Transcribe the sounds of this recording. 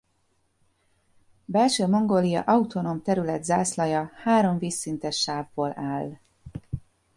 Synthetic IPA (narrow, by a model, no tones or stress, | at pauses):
bɛlʃøːmo̞ŋɡoːlijɒ̰ʔɒut̪o̞noːmt̪ɛɾylɛd̪zaːslɒjɒhaːɾo̞ɱviːsːint̪ɛʃːaːvːoːlaːl